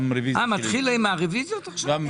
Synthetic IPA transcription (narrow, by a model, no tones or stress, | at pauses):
mɾeviamat̪χiloimaʁevizjot̪aχʃaam